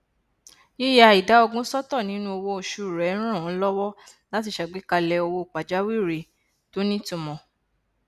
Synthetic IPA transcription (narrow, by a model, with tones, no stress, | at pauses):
ji˦ja˧˨i˨da˨˦ɔ˧ɡũ˦sɔ˦tɔ˦˨nĩ˨˦nũ˦o˧wo˧o˧ʃu˨˧˨ɾɛ˨˦ɾ̃ã˦˨wɔ̃˨˦lɔ˦wɔ˦ | la˦ti˦˧˨ʃa˨ɡ͡bi˦ka˧lɛ˧o˧wo˦˧˨k͡pa˨d͡ʒa˨˦wi˦˨ɾe˨ | to˦nĩ˦tũ˧mɔ̃˧